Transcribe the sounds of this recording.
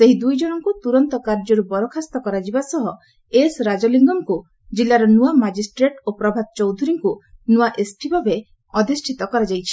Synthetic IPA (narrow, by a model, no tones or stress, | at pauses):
seɦid̪ujd͡ʒɔnɔŋkut̪uɾɔnt̪ɔkaɾd͡ʒɔɾubɔɾɔkʰast̪ɔkɔɾad͡ʒibasɔɦɔ | esɾad͡ʒɔliŋɡɔŋku | d͡ʒilːaɾɔnuamad͡ʒisʈɾeʈopɾɔbʱad̪̚t͡ʃɔwd̪ʱuɾiŋkunuaʔesʈʰibʱabe | ɔd̪isʈʰit̪ɔkɔɾad͡ʒajt͡ʃʰi̥